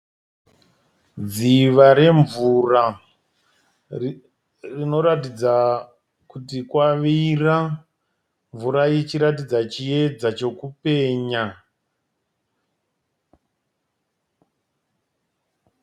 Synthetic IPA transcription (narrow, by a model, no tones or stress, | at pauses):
d͡ziʋaɾe̞ɱvura | rino̞ɾatid͡za | kutikwaʋira | ɱvuɾajet͡ʃiɾatid͡zat͡ʃije̞d͡zat͡ʃo̞kupe̞ːɲa